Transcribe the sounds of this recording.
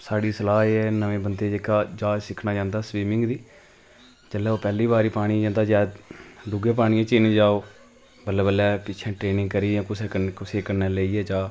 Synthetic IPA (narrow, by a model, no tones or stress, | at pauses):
saːɽiːsəlaːɦeːɛːnəʋẽːbənd̪eːd͡ʒekaːd͡ʒaːsɪkʰnaːd͡ʒãːnd̪aːsʋiːmɪ̃ŋɡd̪iː | t͡ʃəlːɛːoːpɛːliːbaːɾiːpaːɽ̃iːd͡ʒãːnd̪aːd͡ʒaːd̪ɖʊɡẽːpaːɽijẽːt͡ʃinẽːd͡ʒaːoː | bəlːɛːbəlːɛːpɪːt͡ʃʰɛ̃ːʈɾeːnɪ̃ŋɡ̚kəɾiːãːkʊseəkʊseːkəneːləiːɛːd͡ʒaː